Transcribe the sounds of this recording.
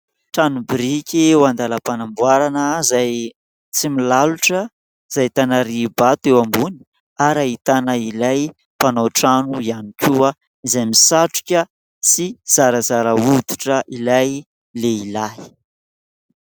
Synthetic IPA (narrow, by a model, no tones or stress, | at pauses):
ʈ͡ʂanubiɾikʲiwand̪aləpanambwaɾanəzaj | t͡similaluʈ͡ʂə | z̥ajt̪anaɾibat̪ewambuni̥ | aɾait̪anəilaj | panoʈ͡ʂanuianikʲʰuə | izajmisaʈ͡ʂu̥kʲə | t͡siz̥aɾəzaɾəud̪iʈ͡ʂəʔilaj | leilai̥